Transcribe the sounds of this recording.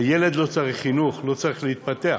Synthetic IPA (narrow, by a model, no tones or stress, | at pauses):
jele̞d̪lo̞t͡saʁiχːinuχlo̞t͡saʁiχleit̪̚pat̪ea